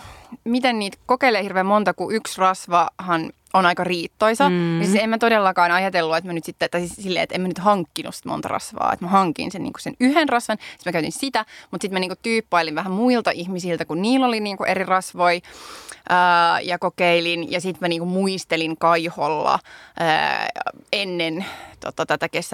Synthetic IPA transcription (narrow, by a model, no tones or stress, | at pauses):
mit̪enniːt̪kokeileːhirʋeːmmont̪ɑkuʔyksrɑsʋɑhɑn | onɑikɑriːt̪ːoisɑnisit̪emmæt̪odelːɑkɑːnɑjɑt̪elːuet̪mænyt̪sit̪ːet̪ɑisilːḛːḛt̪emænyt̪hɑŋkːinṵsi̥t̪mo̰nt̪ɑ̰rɑ̰sʋɑ̰ːḛt̪mæhɑŋkḭnsenḭːŋku̥senyhenrɑsʋɑnsit̪mækæyt̪insit̪æmut̪sit̪mæniːŋkutt̪yːpːɑiliʋʋæɦæmmuilt̪ɑʔihmisilt̪ækunniːlːoliniːŋkuʔerirɑsʋoiʔəːjɑkokeilinjɑsit̪mæniːŋkumuist̪eliŋkɑiholːɑ̰ə̰ | enːent̪ot̪ɑt̪æt̪ækes